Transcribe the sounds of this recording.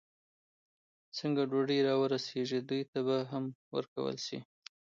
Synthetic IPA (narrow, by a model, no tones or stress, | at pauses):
t͡səŋɡaɖoɖəɾɑwəɾaseʒid̪ujt̪abaɦamwə̰ɾka̰wə̰lʃḭ